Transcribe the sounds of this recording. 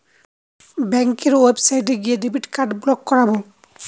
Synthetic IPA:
bɛŋkeɹwebsajteɡijɛdibitkaɹdblɔkːɔɹabɔ

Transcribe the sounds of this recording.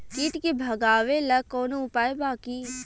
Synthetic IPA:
kiːʈkebʱəɡaːʋeləkoːnoʊpaːebaːkiː

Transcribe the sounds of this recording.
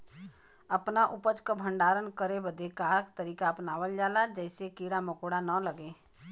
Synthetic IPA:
əpnaʔʊpət͡ʃkabʱə̃ɳɖaːɾənkəɾebəd̪ʱekaːɾkt̪əɾiːkapnaːwəld͡ʒaːlad͡ʒɛːsekiːɽamɐkoːɽanələɡeː

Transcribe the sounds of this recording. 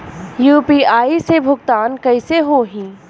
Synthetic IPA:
juːpiːaːisebʱʊɡt̪aːnkɐɪseɦoɦĩː

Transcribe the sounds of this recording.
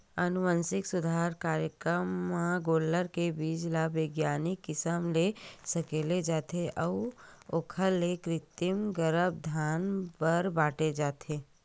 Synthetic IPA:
ɐnʊʋə̃nsɪksʊd̪ʱaːɾkaːɾjəkɾəmːãɡoːlːəɾkebiːd͡ʒlabeːɡjaːnɪkːɪsəmlesɐkeːled͡ʒaːt̪ʰeʔəʋoːkʰəlːekɾɪt̪ɪmɡəɾəb̚d̪ʱaːnpəɾbaːʈed͡ʒaːt̪ʰeː

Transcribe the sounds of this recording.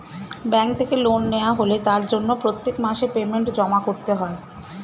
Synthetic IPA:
bɛŋk̚t̪ʰekelonːeoaɦolet̪aɾd͡ʑonːopɾot̪ːekmaʃepemeɳʈd͡ʑɔmakoɾt̪eɦɔe

